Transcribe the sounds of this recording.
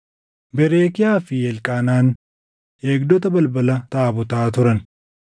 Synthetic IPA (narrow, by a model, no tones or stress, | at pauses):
bɛɾeːkɪjaːfɪjɛlkʼaːnaːn | e̞ːɡd̪ɔt̪̬ɐbɐlbɐlɐt̪aːbɔt̪aːt̪ʊɾɐn